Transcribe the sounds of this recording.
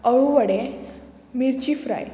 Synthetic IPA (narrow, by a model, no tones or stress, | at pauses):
əɭuʋəɽe | miɾt͡ɕifɾa̰j